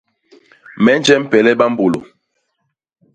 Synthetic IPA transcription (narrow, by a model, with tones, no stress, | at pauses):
mɛ˦n˦d͡ʒɛ˦m̩˦pɛ˨lɛ˦ɓa˦m̩˦bo˨lo̰˨